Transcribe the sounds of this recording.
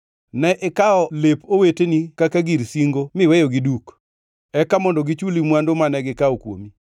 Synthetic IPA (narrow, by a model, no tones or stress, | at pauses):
nɛʔɪkaɔlepowetenikakaɡiɾsiŋɡomɪwejoɡiduk | ɛkamɔndɔɡit͡ʃulimwandomanɛɡɪkaɔkwo̰mi